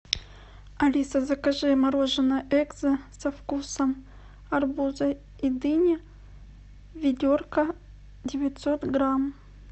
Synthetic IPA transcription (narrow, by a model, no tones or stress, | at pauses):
ɐlʲisɐzɐkɐʐɨmɐɾo̞ʐɨnəʔɛɡzɨsɐfkusəm | ɐrbuzɐ | id̪ɨnʲɪ | vʲɪdʲorkə | dʲɪvʲɪt̪ʲso̞t̪ɡɾam